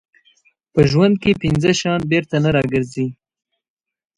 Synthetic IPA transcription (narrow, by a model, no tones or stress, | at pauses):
pəʒwand̪̚kepɪnzəʃɑnbeɾt̪anaɾɑɡəɾzi